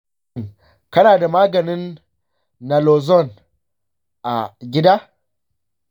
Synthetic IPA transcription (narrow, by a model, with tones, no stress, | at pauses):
ŋ | kɐ˦naː˨da˨maː˦ɡɐ˨nɪ˦nː | a˨lo˨zɔ˦˨n | ʔa˨ɡʲɪ˦daː˦